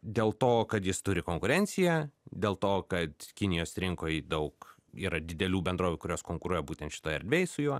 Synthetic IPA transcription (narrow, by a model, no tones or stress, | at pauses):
d̪ʲeːlˠt̪oːkɐt̪jɪst̪ʊɾʲɪkoːŋkʊɾʲɛnʲsʲɪjɛd̪ʲeːlˠt̪oːkɐt̪kʲɪnʲɪjoːsɾʲɪŋkoːjd̪ɐʊk | iːɾɐd̪ʲɪd̪ʲɛlʲuːbʲɛnd̪ɾoːʋʲukʊɾʲoːskoːŋkʊɾuɔjɛbuːt̪ʲɛnt̪ʃʲɪ̥t̪oːjɛ̰ɾʲd̪ʲʋʲeːjsʊjuɔ